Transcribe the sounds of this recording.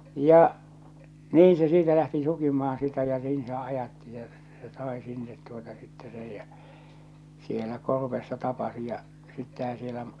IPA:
jɑ niːĩ se siːtæ læhti sukimɑhɑn sitæ jɑ niːn se ɑjɑtːi se se sɑˑe sinːet tuotɑ sitːe sej jæ sielæ korʋesːɑ tɑpɑsi jɑ sitːehæ sielæ

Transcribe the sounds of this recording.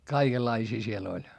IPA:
kɑikelːɑisiː siel olʲ

